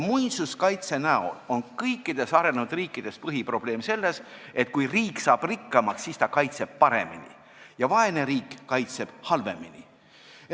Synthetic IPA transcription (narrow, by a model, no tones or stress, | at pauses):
mujsuskɑjt̪se̞næo̰lonkɤjkːˑid̪̥e̞sɑɾe̞neud̪riːkːˑid̪̥e̞spɤɦipro̞b̥le̞ːmse̞lːe̞se̞t̪̚kujriːkːˑsɑːb̥rikːɑmɑksːist̪ɑkɑjt̪se̞b̥̚pɑɾemḭnḭ | jɑvɑe̞ne̞ɾiːkːɑjt̪se̞b̥hɑlve̞minḭ